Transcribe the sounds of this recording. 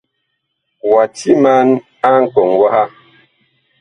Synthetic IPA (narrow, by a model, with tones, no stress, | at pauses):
wa˨ti˦ma˦n | a˦ŋ̩˨kɔ˨ŋwa˦ha˦